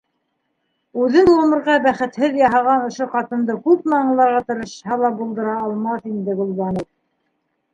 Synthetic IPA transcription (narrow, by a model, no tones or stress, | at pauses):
ʉðɘnlˠomɤ̆ɾʁɑbæχɘ̆t̪hɘðjɑɦɑʁɑnŏʃoqɑt̪ɤ̆nd̪ɤkʉp̚mɑɴ̆lˠɑɾʁɑt̪ɤ̆ɾɤ̆ʃhɑlˠɑbulˠd̪ɤ̆ɾɑːlˠmɑθind̪ɘɡŏlˠβɑnow